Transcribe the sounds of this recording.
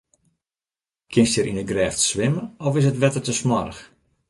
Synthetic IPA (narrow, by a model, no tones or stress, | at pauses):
kʰɪnstəɾʔinəɡrɛːftsʋɪməɔfɪs̬ətʋɛtərtəsmɔrəx